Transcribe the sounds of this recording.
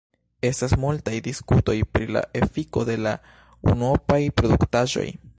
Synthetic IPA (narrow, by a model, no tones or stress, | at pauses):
e̞stasmultajdiskuto̞jpɾila̰ʔe̞fiko̞de̞la | ṵnopajpɾo̞duktaʒo̞̰j